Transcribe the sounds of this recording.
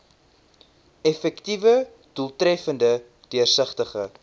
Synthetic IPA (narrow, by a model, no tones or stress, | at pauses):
ɛfɛktivə | d̥ulˠtɾɛfəndə | d̥iərsəχtəχə